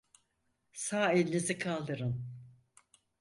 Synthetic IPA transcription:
saːelʲinizikʰalˠd̪ɯɾɯn

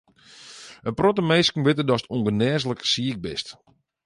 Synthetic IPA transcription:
ənprotəmejskn̩ʋɪtədɔsətʰuŋɡənɛːzləksiɪk̚bɪst

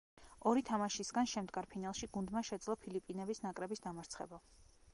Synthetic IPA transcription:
ɔɾit̪ʰamaʃisɡanʃɛmd̪ɡaɾpʰinalˠʃiɡund̪maʃɛt̪sʼlˠɔpʰilipʼinɛbisnakʼɾɛbisd̪amaɾt̪sʰχɛ̰ba

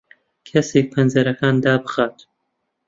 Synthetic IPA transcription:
kʰɐseːk̚pʰɐnzɐɾɐkaːnd̪aːbɨxaːt̪

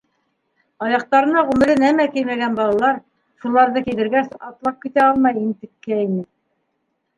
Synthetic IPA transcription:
ɑjɑq̚t̪ɑɾɤ̆nɑʁʉmɘ̆ɾɘnæmækilmæɡænbɑlˠɑlˠɑɾ | ʃulˠɑɾðɤkilɘ̆ɾɡæsɑt̪lˠɑp̚kit̪æɑlˠmɑjint̪ɘ̆kːæinɘ

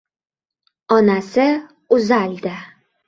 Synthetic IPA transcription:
ɒnasɪ | ʊzald̪ɪ

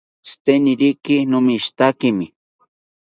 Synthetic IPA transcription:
st̪enɪɾikɪnʊmiʃt̪akɪmɪ

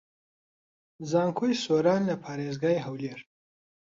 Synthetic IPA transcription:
zɑːŋkʰujsoɾɑːnlapʰɑɾezɡɑjɦawleɾ

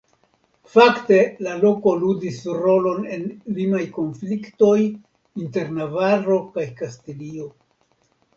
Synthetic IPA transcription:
fakte̞lalo̞ko̞ludisɾo̞lo̞ne̞nlimajko̞nflikto̞j | inte̞ɾnavaɾo̞kajkastilio̞

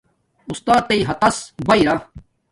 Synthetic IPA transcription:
ʊst̪aːt̪̚ːeiːɦɐt̪ɐsbɐiɾa

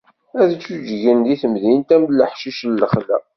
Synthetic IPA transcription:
æðt͡sːud͡ʒʝənðiθəmðint̪æmlːəħʃiʃlːəχlæ̰

